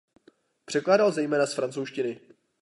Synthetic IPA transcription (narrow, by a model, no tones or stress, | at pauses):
pr̝̥ɛklaːdalzɛjmɛːnasfɾant͡sowʃcɪnɪ